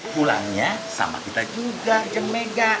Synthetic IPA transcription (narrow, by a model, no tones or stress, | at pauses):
pula̰ŋɲasa̰ma̰kit̪ad͡ʒuɡad͡ʒəmmeɡa